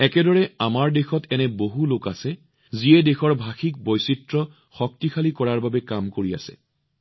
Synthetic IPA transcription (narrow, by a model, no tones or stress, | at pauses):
ɛkɛdɔɹɛamaɹdexɔtɛnɛboɦulokasɛ | ziɛdexɔɹbʱaxik̚bɔjsitɹɔ | xɔk̚tixʰalikɔɹaɹbabɛkamkoɹia̰sɛ̰